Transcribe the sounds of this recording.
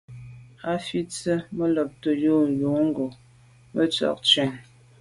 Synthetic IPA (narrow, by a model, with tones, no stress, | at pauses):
a˦fi˦t͡sə˦mə˦lɔ˨p̚tə˨jo˦˨jo˨˦ŋ˦ɡo˨ | mə˦t͡sɔ̰˨k̚t͡ʃɥɛ˨ŋ